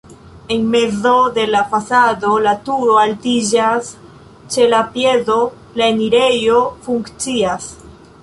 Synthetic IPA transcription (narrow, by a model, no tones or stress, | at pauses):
e̞nme̞zo̞de̞lafasado̞latuɾo̞altid͡ʒas | t͡ʃe̞lapje̞zo̞ | laeniɾe̞jo̞fuŋkt͡sias